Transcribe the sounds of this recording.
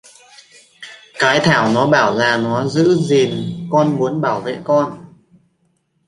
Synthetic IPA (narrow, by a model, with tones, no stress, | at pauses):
kaː˨˦jt̪ʰaː˧˩wnɔ˨˦ɓaː˧˩wlaː˨˩nɔ˨˦zɨ̰˧˥zi˨˩ənkɔ˧nmu˨˦ənɓaː˧˩wvḛ˧˨kɔ˧n